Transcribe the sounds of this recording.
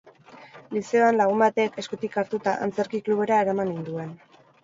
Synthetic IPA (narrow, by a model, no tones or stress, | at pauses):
lise̞oanlaɣ̞umbat̪ekeskut̪ikaɾt̪ut̪aʔa̰nt͡se̞ɾkikluβ̞e̞ɾae̞ɾamanind̪ue̞n